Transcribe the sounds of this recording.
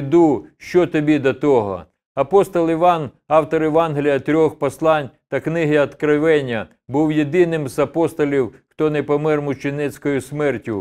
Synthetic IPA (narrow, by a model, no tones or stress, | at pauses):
d̪uʃt͡ʃɔt̪ɔbʲid̪ɐt̪ɔɦɔ̰ | ɐpɔst̪ɔlˠɪʋɑn | ɑwt̪ɔɾɪʋɑnɦelʲijɐt̪ɾʲɔxpɔslˠɑnʲt̪ɐknɪɦɪɐt̪kɾɪʋɛnʲːɐ | buwjed̪ɪnɪmzɐpɔst̪ɔlʲiwxt̪ɔnɛpɔmɪrmʊt͡ʃenɛt͡sʲkɔjʊsmɛrtʲʊ